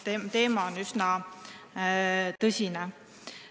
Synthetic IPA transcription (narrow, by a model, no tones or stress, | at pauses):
et̪e̞ːmɑonysnɑ | t̪ɤsʲine